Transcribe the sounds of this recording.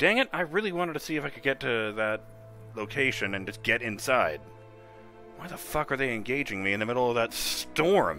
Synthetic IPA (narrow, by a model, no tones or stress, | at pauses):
d̥æ̃ŋɨ̃naɪɹɪlˠiwɑ̃ɾ̃ɨd̚tʰɨ̥siɨfaɪkʰɨd̚ɡɛtʰɨðɨt̚ | loʊkʰeɪʃɨ̃nɨ̃nd͡ʒʌsɡ̥ɛɾɨ̃nsaɪd̚ | wʌnðəfʌkə˞ðeɪɨ̃nɡeɪd͡ʒɪ̃ŋmiɨ̃nðɨmɪɾl̩l̩ˠʌvðɨtstɔɹm